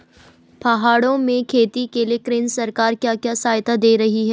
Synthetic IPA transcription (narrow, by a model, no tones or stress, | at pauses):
pɐɦaːɽõmẽkʰeːt̪ikeliekɾɪnsɐɾkaːɾkjaːkjaːsaːjt̪ad̪eːɾɐɦiɦɛː